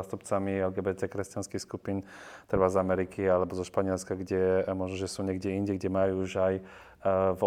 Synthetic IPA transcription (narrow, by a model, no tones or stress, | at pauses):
aːst̪upt͡samiɛlɡɛbɛt̪ɛːkɾɛscanskixskupiːnt̪r̩ʋazamɛɾikʰialɛbɔzɔʃpaɲɪɛlskaɡɟɛmɔʒnɔʒɛsuːɲɛɡɟɛiɲɟɛɡɟɛmajuʒaj | v